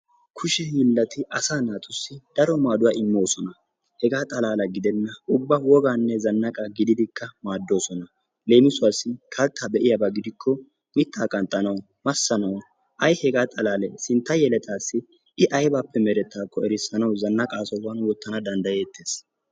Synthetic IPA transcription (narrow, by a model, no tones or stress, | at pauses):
kʰʊʃɛhiːlːɐt̪ɪʔɐsaːnaːt̪ʼʊsːɪd̪̥ɐɾɔmaːd̪ʊwaːɪmːo̞ːsɔnɐ | hɛɡaːt̪ʼɐlaːlɐɡɪd̪ɛnːɐʊbːɐwɔɡaːnːɛzɐnːɐkʼaɡɪd̪ɪd̪ɪkʰːɐmaːd̪ːo̞ːsɔnɐ | le̞ːmɪsʊaːsːɪkʰɐlt̪ʰːabɛʔɪjɐbɐɡɪd̪ɪkʰːɔ | mɪt̪ʰːaːkʼɐnt̪ʼɐnɐw | mɐsːɐnɐw | ʔɐjhɛɡaːt̪ʼɐlaːlɛsɪnt̪ːɐjɛlɛt̪ʰaːsːɪ | ɪʔɐjbaːpːɛmɛɾɛt̪ːaːkʰʼːɔɛɾɪsːɐnɐwzɐnːɐkʼaːsɔwɐnwɔt̪ːɐnɐd̪ɐnd̪ɐjeːt̪ːe̞ːs